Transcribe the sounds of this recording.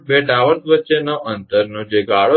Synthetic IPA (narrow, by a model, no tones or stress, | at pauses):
beʈaʋəɾt̪ʋətːt͡ʃenoʔənt̪əɾnũd͡ʒeɡaɭo